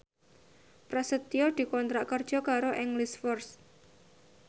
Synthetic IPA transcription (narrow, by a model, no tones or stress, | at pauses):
pɾasət̪iɔd̪̥i̤kɔnt̪ɾaʔkərd̥ʒ̥ɔ̤kaɾoʔɪŋlisfɔrs